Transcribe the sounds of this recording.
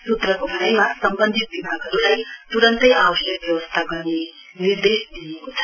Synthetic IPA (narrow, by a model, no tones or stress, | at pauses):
sut̪rʌkobʱaɾʌjmasʌmbʌnd̪ʱit̪̚bibʱaɡʌɾulajt̪uɾʌnt̪ʌjawʌsjʌk̚bjʌwʌst̪ʰaɡʌɾne | niɾd̪esd̪ijekot͡sʰʌ̥